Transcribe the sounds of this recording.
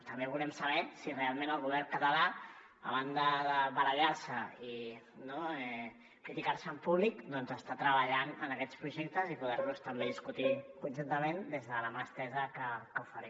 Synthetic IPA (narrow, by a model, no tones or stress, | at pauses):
t̪əmbeβulɛmsəβɛsirealˠmenəlˠɣuβ̞ɛɾŋkət̪əla | ə̰βand̪əðəβələʎaɾsəi | noɛ | kɾit̪ikaɾsəːmpuβlikd̪ɔnzəst̪at̪ɾəβaʎanənəkɛt͡spɾuʒɛk̚t̪əzipuðɛɾlust̪əmbeðiskut̪ikunʲʒunt̪əmend̪ezðəlamast̪ɛzəkəkəufəɾɛm